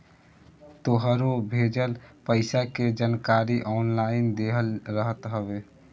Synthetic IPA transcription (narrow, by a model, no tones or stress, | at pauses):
t̪oɦəɾobʱed͡ʒəlpəɪsaked͡ʒankaɾiʔɔːnlaɪnd̪eɦəlɾəɦət̪ɦəbe